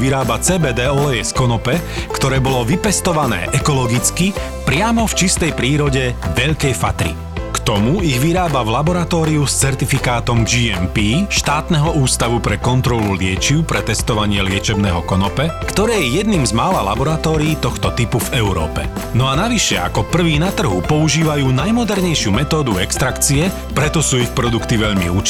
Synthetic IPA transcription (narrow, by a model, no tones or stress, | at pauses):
ʋiɾaːbat͡sɛːbɛːd̪ɛːɔlɛɛskɔnɔpɛkt̪ɔɾɛːbɔlɔʋipɛst̪ɔʋanɛ̰ːʔɛkɔlɔɡit͡ski | pɾɪamɔft͡ʃist̪ɛjpɾiːɾɔɟɛʋɛʎkɛjfat̪ɾḭ | kt̪ɔmuiɣʋiɾaːbavlabɔɾat̪ɔːɾiust͡sɛɾt̪ifikaːt̪ɔmd͡ʒiɛmpiːʃt̪aːt̪nɛɦɔuːst̪aʋupɾɛkɔnt̪ɾɔlulɪɛt͡ʃiʊpɾɛt̪ɛst̪ɔʋaɲɪɛlɪɛt͡ʃɛbnɛːɦɔkɔnɔpɛkt̪ɔɾɛːjɛjɛd̪niːmzmaːlala̰bɔɾat̪ɔːɾiːt̪ɔxt̪ɔt̪ipuvɛuɾɔ̰ːpɛ̰nɔanaʋiʃɛa̰kɔpr̩ʋiːnat̪r̩ɦṵpɔuʒiːʋajuːnajmɔd̪ɛɾɲɛjʃɪumɛt̪ɔːd̪uɛkst̪ɾakt͡siɛ | pɾɛt̪ɔsuːixpɾɔd̪ukt̪iʋɛʎmḭuːt͡ʃ